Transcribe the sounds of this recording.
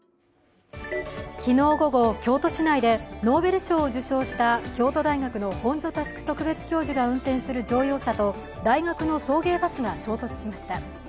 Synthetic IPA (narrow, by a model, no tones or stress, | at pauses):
kʲino̞ːɡo̞ɡo̞kʲo̞ːt̪o̞ɕinaid̪e̞no̞ːbe̞ɾɯ̟ɕo̞ːd͡ʑɨɕo̞ːɕi̥t̪akʲo̞ːt̪o̞d̪aiŋakɯ̟no̞hõ̞ɲ̟d͡ʑo̞t̪asɨ̥kɯ̟̥t̪o̞kɯ̟be̞t͡sɨ̥kʲo̞ːʑiɡaɯ̟̃nt̪ẽ̞ɰ̃sɨɾɯ̟d͡ʑo̞ːjo̞ːɕat̪o̞ | d̪aiɡakɯno̞so̞ːɡe̞ːbasɨɡaɕo̞ːt̪o̞t͡sɨ̥ɕimaɕi̥t̪a